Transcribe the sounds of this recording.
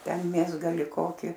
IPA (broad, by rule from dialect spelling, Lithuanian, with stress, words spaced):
ˈtʲɛn ˈmʲeːzɡɐlʲɪ ˈkoːkʲɪ